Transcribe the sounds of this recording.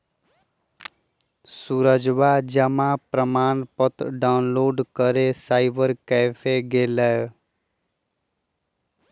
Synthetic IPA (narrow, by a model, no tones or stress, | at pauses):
suɾəd͡ʒʋad͡ʒəmapɾəmaːnpət̪ɖanloːɖkəɾesaːɪbəɾkɛːfʰeɡeːlɛj